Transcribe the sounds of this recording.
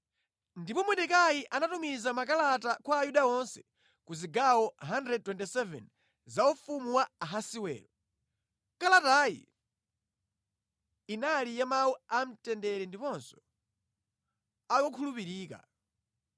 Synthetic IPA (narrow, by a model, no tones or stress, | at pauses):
ndipɔmwɛɗɛkajiʔanatumizamakalatakwaːjuɗaɔnsɛ̥ | kuziɡawɔɦandɾɛd̚twɛntisɛvɛ̰n | zaufumuwaaɦasiwɛ̰ːɾɔ | kalatajḭ | nalijamawuam̩tɛndɛɾɛndipɔnsɔ̥ | ajɔkʰulupiɾiːka̰